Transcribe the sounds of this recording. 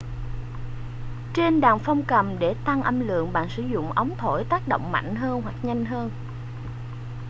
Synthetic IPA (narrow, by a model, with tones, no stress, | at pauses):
t͡ɕe˧nɗaː˨˩ŋfɔ˧wŋ͡mkə˨˩mɗe˧˩t̪a˧ŋʔə˧mlɨ̰˧˨əŋɓa̰ː˧˨nsɨ˧˦zʊ̰˧˨ŋ͡mʔə˨˦wŋ͡mt̪ʰo˧˩jt̪aː˦˥k̚ɗo̰˧˨wŋ͡mma̰˧˨jŋ̟ɦəː˧nɦwa˨˩k̚ɲa˧jŋ̟ɦəː˧n